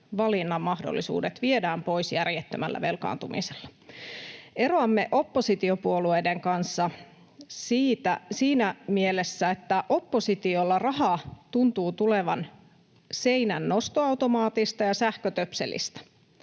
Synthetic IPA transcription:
ʋɑlinːɑmmɑhdo̰lːisṵːdet̪ʋiedæːmpo̞isjærjet̪ːømæ̰lːæ̰ʋelkɑ̰ːnt̪umḭselːɑ̥ | eroɑmːeʔo̞pːosit̪iopuolueːdeŋkɑnsːɑ | siːt̪æsiːnæmielesːæet̪ːæʔopːosit̪iolːɑrɑhɑt̪unt̪uːt̪uleʋɑn | seinænːost̪oɑwt̪omɑːt̪ist̪ɑjɑsæhkøt̪øpsḛlḭst̪æ̥

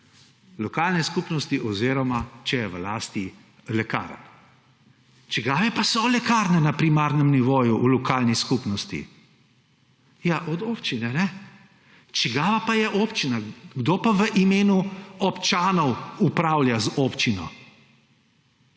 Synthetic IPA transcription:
lɔkaːlnɛskupnɔst̪iʔɔziɾɔmat͡ʃɛjɛʋlaːst̪i | lɛka̰ːɾə̰n | t͡ʃɛɡaːʋɛpasɔlɛkaːɾnɛnapɾimaɾnɛmniʋoːjuʔulɔkaːlniskupnɔst̪ḭ | jaʔɔd̪oːpt͡ʃinɛnɛ | t͡ʃɛɡaːʋapajɛʔoːpt͡ʃinaɡd̪oːpaʋəʔimeːnuɔpt͡ʃaːnɔwupɾaːwljazopt͡ʃinɔ̰

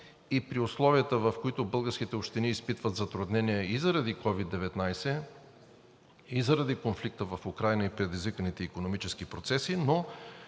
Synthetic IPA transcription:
ipɾiʊslˠɔviət̪əvɐfkoit̪ʊbɤlˠɡəɾsk̟it̪ɛopʃt̪iniːspit̪vət̪zɐt̪ɾʊd̪nɛnijɛizɐɾɐd̪ikɔvid̪ːɛvɛt̪najsɛ | izɐɾɐd̪ikonflik̚t̪əvɐfʊkɾajnəipɾɛd̪izvikənit̪ɛikonomit͡ʃɛskipɾot̪sɛsino

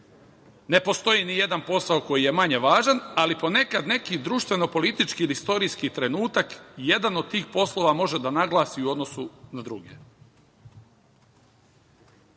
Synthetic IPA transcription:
ne̞po̞st̪o̞jinije̞d̪anpo̞saoko̞jije̞maɲe̞ʋaːʒanalipo̞ne̞kad̪ne̞kid̪ɾuːʃt̪ʋe̞no̞po̞lit̪it͡ʃkiːlist̪o̞ɾiskit̪ɾe̞nuːt̪akje̞d̪anod̪̚t̪iːxpo̞slˠo̞ʋamo̞ʒe̞d̪anaɡlˠaːsiuo̞d̪no̞sunad̪ɾuɡḛ

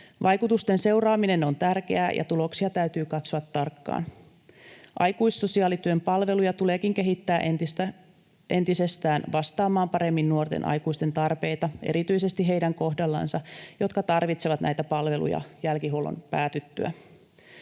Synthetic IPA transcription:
ʋʔɑjkut̪ust̪e̞nse̞wrɑːmine̞no̞nt̪ærk̟e̞æːjʔɑ̰t̪ulo̞ksiɑt̪æyt̪yːkɑt̪soɑt̪ːɑrkːɑ̰ːn | ʔɑ̰jkuisːo̞siɑːlit̪yømpɑlʋe̞lujɑt̪ule̞ːkiŋk̟e̞ɦit̪ːæːʔent̪st̪æ | ʔe̞nt̪ise̞st̪æːnʋɑst̪ɑːmɑːmpɑɾe̞mːinːuo̞rt̪ḛnʔɑ̰jkuist̪ent̪ɑrpe̞jt̪ɑʔḛɾit̪yjse̞st̪iɦe̞jdæŋko̞ɦdɑlːɑ̰nsɑjo̞t̪kɑt̪ɑrʋit̪seʋɑt̪næ̰jt̪æpɑlʋe̞lṵjɑ̰jælkiɦulo̰npæːt̪yt̪ːy̰æ̰

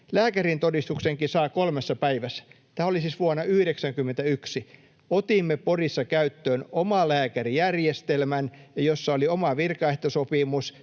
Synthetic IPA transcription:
læːkærint̪odist̪ukseŋkisɑːkolmesːɑpæiʋæsːæ̥ | t̪æːolisiːsʋuonːɑyhɾeksæŋkymːent̪æyksi | ot̪imːeporisːɑkæyt̪ːøːnomɑlæːkærijærjest̪elmænjɑjosːɑoliomɑʋirkɑeht̪osopimus

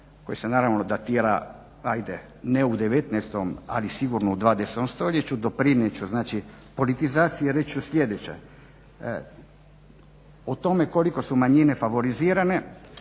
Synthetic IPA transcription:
ko̞jisenaːɾaʋnod̪at̪iːɾa̰ | ajd̪e | neud̪eʋet̪nɛst̪oma̰lisiɡuɾnoud̪ʋaːd̪eset̪omst̪oʎet͡ɕud̪o̞pɾinjet͡ɕuznaːt͡ʃi | po̞lit̪izaːt̪sijeɾet͡ʃusʎʲed̪et͡ɕḛ | ot̪o̞meko̞liko̞sumaɲinefaʋo̞ɾiziːɾane̞

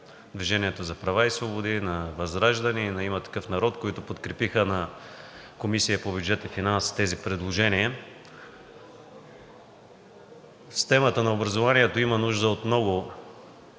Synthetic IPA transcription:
d̪viʒɛniɛt̪ozɐpɾɐvaisvobod̪inɐvɐzɾaʒd̪ɐninɐimɐt̪ɐ̥kɤfnɐɾɔt̪koit̪ʊpot̪kɾɛpixənɐ | komisijəpobʲjud͡ʒɛt̪ifinanst̪ɛzipɾɛd̪lˠoʒɛniə | si̥t̪ɛmət̪ənɐobɾɐzovaniɛt̪oimɐnuʒd̪əot̪mnɔɡʊ

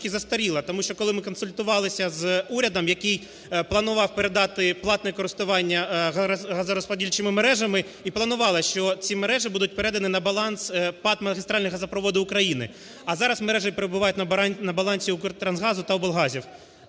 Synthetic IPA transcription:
kʲizɐst̪ɐɾʲilˠɐt̪ɔmuʃt͡ʃɔkɔlˠɪmɪkɔnsʊlʲt̪ʊʋɑlˠɪsʲɐzuɾʲɐd̪ɐmjɐkɪj | plˠɐnʊʋɑwpeɾed̪ɑt̪ɪplˠɑt̪nɛkɔɾɪst̪ʊʋɑnʲːɐ | ɦɐzɐɾɔspɐdʲilʲt͡ʃɪmɪmeɾɛʒɐmɪ | iplˠɐnʊʋɑlˠɪʃt͡ʃɔt͡sʲimeɾɛʒɪbud̪ʊt̚ʲpeɾɛd̪ɐnɪnɐbɐlˠɑnspɑt̪mɐɣʲist̪ɾɑlʲnɪjɦɐzɐpɾɔʋɔd̪ɪʊkɾɐjinɪ̰ | ɐzɑɾɐsmeɾɛʒɪpeɾebʊʋɑjʊt̚ʲnɐnɐbɐlˠɑnʲsʲiut̪ɾɐnzɦɑzʊt̪ɐwbɔlˠɦɑzʲiw

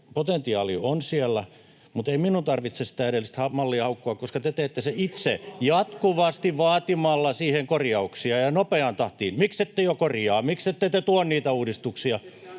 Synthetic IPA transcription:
pot̪ent̪iɑːlionsiælːæ | mut̪eiminunt̪ɑrʋit̪sest̪æˑeɾelːˑist̪hɑmɑlːihɑukːoɑkkoskɑt̪et̪eːt̪ːeseit̪sejɑt̪kuʋɑst̪iʋɑːt̪imɑlːɑsiːheŋkorjɑuksiɑjɑnopeɑnt̪ɑht̪iːnmikset̪ːejokorjɑːmikset̪ːet̪et̪uonniːt̪æuːdist̪uksiɑ

